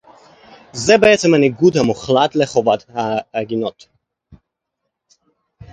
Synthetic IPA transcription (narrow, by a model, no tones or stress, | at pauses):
zɛbeet͡semhaniɡud̪hamuχlat̪leχo̞vat̪haːɡino̞t̪